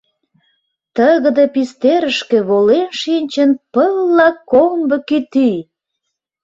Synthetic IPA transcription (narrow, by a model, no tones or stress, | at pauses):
t̪əɣə̆d̪əpist̪eɾəʃkĕβolenʃinʲt͡ɕənpəlːɑkombə̆kit̪i